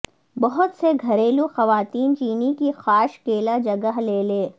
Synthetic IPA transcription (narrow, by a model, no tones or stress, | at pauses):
bɐɦʊt̪seɡʱɐɾeːluxɐʋaːt̪iːnt͡ʃiːnikixaːʃkeːlad͡ʒɐɡəɦleːleː